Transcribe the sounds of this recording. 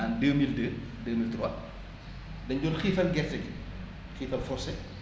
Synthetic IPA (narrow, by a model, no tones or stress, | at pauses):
aːndəːmildəː | dəːmiltiɾwɐ | dɛnɟɔːlxiːfɐlɡɛrtɛɡi | xiːfɐlfɔrsɛ